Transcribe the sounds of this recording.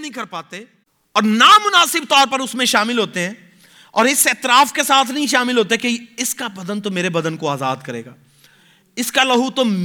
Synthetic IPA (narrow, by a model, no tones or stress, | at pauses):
nɦĩkɐɾpaːt̪e | ɔːɾnamʊnaːsɪb̚t̪ɔːɾpɐɾʊsmẽʃaːmɪlɦoːt̪eɦɛ̃ː | ɔːɾɪsɛːt̪ɪɾaːfkesaːt̪ʰnɐɦĩʃaːmɪlɦoːt̪̬eɦɛkeɪskabɐd̪ənt̪omeːɾebɐd̪ənkoaːza̰ːd̪kɐɾḛːɡaː | ɪskalɐɦuːt̪om